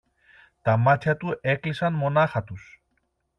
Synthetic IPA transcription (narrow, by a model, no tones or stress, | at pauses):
t̪ɐmɐt̪çɐt̪ue̞klisɐnmo̞nɐxɐt̪us